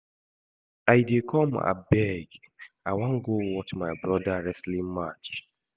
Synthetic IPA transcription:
ajidekʰɔma̰bɛɡ | awãŋ̩ɡowɔtmajbɾɔdaɹɛslimat͡ʃ

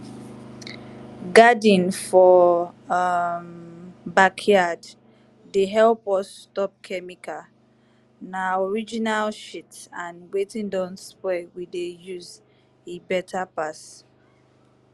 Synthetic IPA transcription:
ɡadĩnfɔ | mbakʰjadː | eɦɛlpɔsːtɔp̚kʰɛmikʰa | naɔɹid͡ʒinalʃitsãnwetĩndɔ̃nspɛwidejuz | ebɛtʰapas

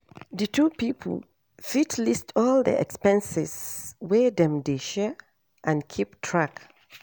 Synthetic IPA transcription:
ðɨtʰupipʰə̰l | fitʰlistʰɔlˠdḭʔɛ̰kspɛ̃nsɪ̰zwɛdɛ̃mdeʃɛ | ʔãnkʰiptʰɹak

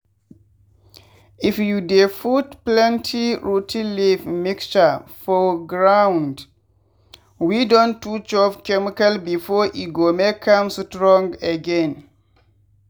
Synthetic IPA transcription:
ʔifjudefutplɛ̃ntʰiɹutʰĩlifmikst͡ʃafɔɡɹawnd | widɔ̃ntːut͡ʃɔfkɛmikalbifɔʔiɡomekʰːãmstɹɔ̃ŋɡeɡɛ̃n

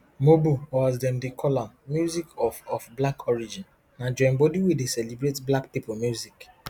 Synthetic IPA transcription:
mobuwɔzdɛmdikʰɔlɔ̃nmjuzikɔfɔfblakʰɔɹid͡ʒĩn | nad͡ʒɛ̃mbodiwedesɛlibɾetblakpipʊmjuzik

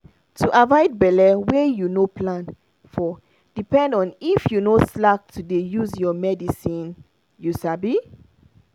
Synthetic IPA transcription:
tʰuʔavɔjd̚bɛlɛwejunopʰlãn | fɔ | d̥ipɛ̃ndɔ̃nifjunoslak̚tʰudejuzjɔmɛdisĩn | jusabi

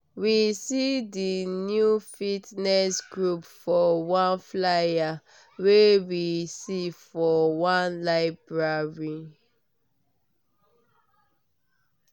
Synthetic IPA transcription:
wisidinjufitnɛsɡɹupfɔwãnflaja | wewisifɔwãnlaɪbɹaɹi

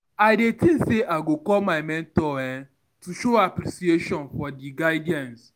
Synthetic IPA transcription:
aɪdetin̩seʔaɡokɔlmaɪmɛ̃ntɔɛ | tuʃoapɾisieʃɔ̃nfɔdiɡaɪdɛ̃ns

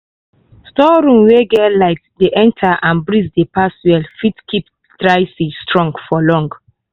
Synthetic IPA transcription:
stɔɹũmweɡɛlaɪtdeʔɛ̃ntʰaʔãnbɹizdepaswɛlfitkʰip | dɹaɪsistɹɔ̃ŋɡfɔlɔ̃ŋɡ

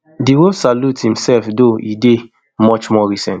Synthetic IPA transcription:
diwosaluthĩmsɛlfdoide | mɔt͡ʃmɔɹisɛ̃nt

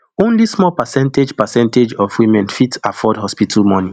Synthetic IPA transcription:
õnlismɔlpɛsɛ̃nted͡ʒpɛsɛ̃nted͡ʒɔfwimɛ̃nfitafɔdhɔspitʰalmɔ̃ni

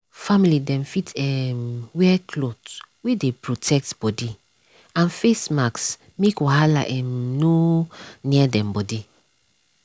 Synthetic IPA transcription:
familidɛ̃mfitɛmwɛkʰlotwedepɹotʰɛk̚tb̥ɔdi | ãnfesmaks | mekwɔɦala̰ʔɛmnoniɛdɛ̃mbɔdi

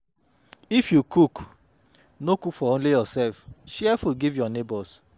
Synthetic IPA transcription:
ifjukuk | nokufɔõlejɔsɛlfʃɛfuɡivjɔnebɔs

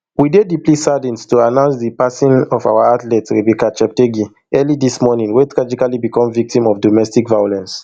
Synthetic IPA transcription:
widediplisadĩnstuanãʊ̃nsdipasĩnɔva̰waatlɛtsɹebikat͡ʃɛp̚teɡi | ɜlidismɔnĩŋwetʰɹad͡ʒikalibikɔ̃mvik̚tĩmɔfdɔmɛstikvajolɛ̃ns

